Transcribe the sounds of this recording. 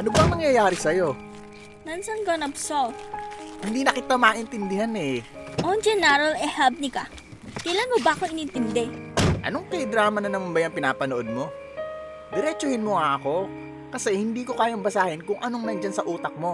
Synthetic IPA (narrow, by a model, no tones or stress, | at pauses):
ʔɐnobɐŋnɐŋjɐjaːɾɪsɐjo̞ | mɐnsɐŋɡɐnɐpsolhɪnd̪iːnɐkɪt̪amɐːʔɪnt̪ɪnd̪ɪɦanɛʔond͡ʒɛnaɾɐlɛhɛlp̚nɪka | kɐjlanmobaʔɐkoɪnɪnt̪ɪnd̪ɛʔɐ̰no̞ŋkɐjd̪ɾaːmɐnɐnɐmanbɐjɐŋpɪnaːpɐnoʔod̪̚mo̞ | d̪ɛɾɛt͡ʃohɪnmoŋɐʔɐko̞ | kɐsɛhɪnd̪iːko̞kaːjaŋbɐsaːhɪnkʊŋʔɐnoŋnɐŋd͡ʒansɐʔuːt̪ɐk̚mo̞